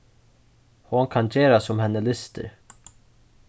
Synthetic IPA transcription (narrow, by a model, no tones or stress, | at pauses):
hʊnkʰɑnd͡ʒeːɾasɔmhɛnːəlɪst̪ə̰ɾ